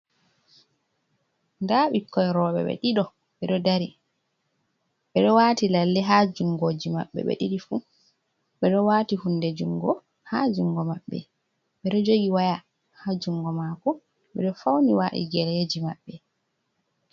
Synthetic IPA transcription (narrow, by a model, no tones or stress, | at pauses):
ndaɓikːɔjɾɔːɓɛ̰ɓɛ̰ɗiɗɔ | ɓɛɗɔdaɾi | ɓɛɗɔwaːtilalːɛɦad͡ʒuŋɡod͡ʒima̰ɓːɛ̰ɓɛ̰ɗiɗifu | ɓɛɗɔwaːtihundɛd͡ʒuŋɡɔ | had͡ʒuŋɡɔmaɓːɛ̰ | ɓɛɗɔd͡ʒoɡiwaja | had͡ʒuŋɡɔmakɔ | ɓɛ̰ɗɔfawniwaːʔḭɡɛlɛed͡ʒimaɓːɛ